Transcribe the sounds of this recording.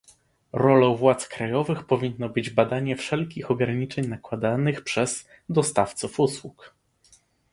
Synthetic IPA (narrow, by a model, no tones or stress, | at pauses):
ɾɔlɔ̃vwat̪skɾajɔvɘxpɔvʲinːɔbɘd͡ʑbad̪aɲɛfʂɛlkʲixɔɡɾaɲit͡ʂɛɲnakwad̪anɘxpʂɛz̥ | d̪ɔst̪aft̪sufuswuk